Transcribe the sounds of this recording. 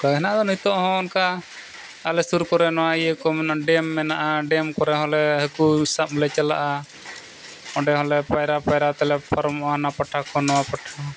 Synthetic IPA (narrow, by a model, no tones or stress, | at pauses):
kaɡɛnad̪ɔnut̪ɔʔhɔ̃ɔnka | alɛsuɾkɔɾɛnɔwaijəkɔmɛnaɖɛmːɛnaʔaɖɛmkɔɾɛɦɔlɛɦəkusap̚lɛt͡ʃala̰ʔa | ɔɖɛɦɔlɛpajɾapajɾat̪ɛlɛpaɾɔmʔaanapaʈʰakʰɔnɔwapaʈʰa